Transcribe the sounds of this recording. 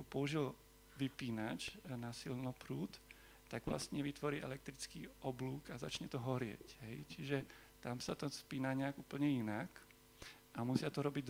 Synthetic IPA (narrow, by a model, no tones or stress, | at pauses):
ɔpɔuʒil | ʋipiːnat͡ʃnasilnɔpɾuːt̪ː | aɡʋla̰st̪ɲɛʋit̪ʋɔɾiːʔɛ̰lɛk̚t̪ɾit͡skiːʔɔbluːkazat͡ʃɲɛt̪ɔɦɔɾɪɛ̰cɦɛjt͡ʃiʒɛ | t̪amsat̪ɔspiːnaɲɛaɡuːpl̩ɲɛinak | amusɪat̪ɔɾɔbiɟ̪